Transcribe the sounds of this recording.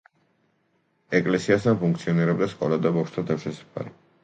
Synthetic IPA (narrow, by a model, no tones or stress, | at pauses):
ɛkʼlɛsiast̪ʰanpʰuŋkt̪sʰiɔniɾɛbd̪askʼɔlad̪abɔkʃt̪ʰad̪aʃɛsḁpʰa̰li